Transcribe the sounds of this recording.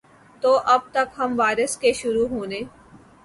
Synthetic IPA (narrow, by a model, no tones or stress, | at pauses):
t̪oːʔɐb̚t̪ɐkɦɐmʋaːɪɾəskeʃʊɾuɦõːneː